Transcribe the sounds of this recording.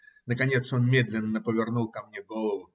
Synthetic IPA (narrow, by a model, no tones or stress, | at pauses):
nəkɐnʲe̞t̪sonmʲe̞d̪lʲɪnːəpəvʲɪrnulˠkɐmnʲeɡolˠəvʊ